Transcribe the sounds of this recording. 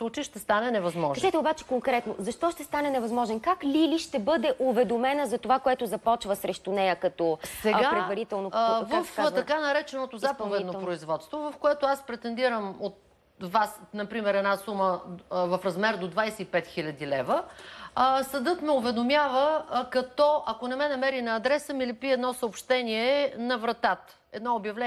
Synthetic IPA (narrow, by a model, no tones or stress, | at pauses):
slˠut͡ʃijʃt̪ɛst̪anɛnɛvɐzmɔʒkɐzʒɛt̪ɛobat͡ʃɛ̥koŋkɾɛt̪nozɐʃt̪ɔʃt̪ɛst̪anɛnɛvɐzmɔʒɛnkaklʲiliʃt̪ɛbɤd̪ɛʔʊvɛd̪omɛnəzɐt̪ovakoɛt̪ʊzɐpɔt͡ʃvəsɾɛʃt̪ʊnɛjəkɐt̪ɔsɛɡapɾɛd̪vɐɾit̪ɛlˠnovəfaɐkanɐɾɛt͡ʃɛnot̪ozapɐvɛd̪nopɾoizvɔt̪st̪vovɐfkoɛt̪oaspɾɛt̪ɛnd̪iɾəmot̪ | vasnɐpɾimɛɾɛd̪nasuməvɐfɾɐzmɛɾd̪od̪vajsɛipɛt̪xilʲɐd̪ilɛvə | sɐd̪ɤt̪mɛʊvɛd̪omjavəkɐt̪ɔʔɐkonɛmɛnɐmɛɾinɐːd̪ɾɛsəmilɛpiɛd̪nɔsəopʃt̪ɛniɛnɐvɾɐt̪at̪ | ɛd̪nɔobjɐvlɛ